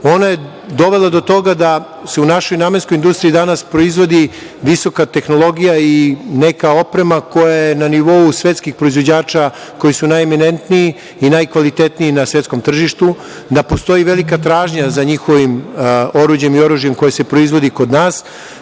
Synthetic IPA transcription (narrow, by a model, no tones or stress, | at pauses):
o̞naje̞ | d̪o̞ʋe̞lˠad̪o̞t̪o̞ɡad̪a | se̞unaʃo̞jnaːmenskoind̪ust̪ɾiːd̪anaspɾo̞izʋo̞d̪i | ʋiso̞kat̪e̞xno̞lˠo̞ɡijaine̞kao̞pɾe̞mako̞jajenaniʋo̞usʋet̪skixpɾo̞izʋod͡ʑaːt͡ʃa | ko̞jisunajeminent̪niiː | najkʋalit̪et̪niinasʋe̞t̪sko̞mt̪r̩ʒiʃt̪u | d̪apo̞st̪o̞jiʋe̞likat̪ɾaːʒɲazaɲixo̞ʋimo̞ɾuːd͡ʑe̞mio̞ɾuʒije̞mko̞jese̞pɾo̞izʋo̞d̪iko̞d̪naːs